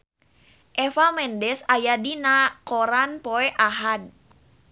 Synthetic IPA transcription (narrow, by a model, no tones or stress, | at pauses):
ʔɛfamɛndɛsajadinakɔɾanpoɛʔaɦad̚